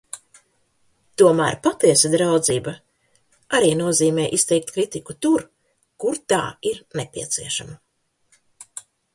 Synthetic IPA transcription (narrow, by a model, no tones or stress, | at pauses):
t̪uɔmæ̰ːɾpat̪iɛsad̪ɾawd̪ziːba | aɾiːnuɔziːmɛːʔist̪ɛjk̚t̪kɾit̪ikut̪uɾ | kuɾt̪a̰ːiɾnepiɛt̪siɛʃama